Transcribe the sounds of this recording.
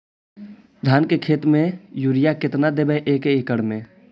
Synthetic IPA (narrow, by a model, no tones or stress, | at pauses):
d̪ʱaːnkekʰeːt̪mẽjuːɾɪjakɪt̪nad̪ebəʔeːkeɪkəɽmẽ